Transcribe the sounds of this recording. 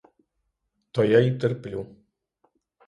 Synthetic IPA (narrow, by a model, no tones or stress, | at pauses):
t̪ɔjait̪erplʲu